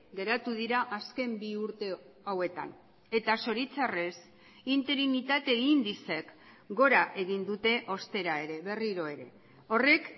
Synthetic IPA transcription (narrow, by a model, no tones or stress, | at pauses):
ɡe̞ɾat̪uðiɾaʔaske̞mbiuɾt̪e̞ | awe̞t̪a̰n | e̞t̪aso̞ɾit͡sare̞s | int̪e̞ɾinit̪at̪e̞ɣind̪ise̞k | ɡo̞ɾaʔe̞ɣind̪ut̪e̞ʔo̞st̪e̞ɾae̞ɾe̞βe̞riɾo̞e̞ɾe̞̰ | o̞re̞k